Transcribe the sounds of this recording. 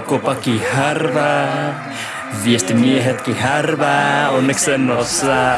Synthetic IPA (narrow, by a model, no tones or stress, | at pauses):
kopɑkiharʋa | ʋiest̪imieɦet̪kiharʋaonːeksenːosa